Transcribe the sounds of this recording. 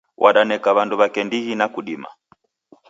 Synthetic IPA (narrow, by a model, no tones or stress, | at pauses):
wʔaɗanɛkaβanduβakɛndihinakuɗima̰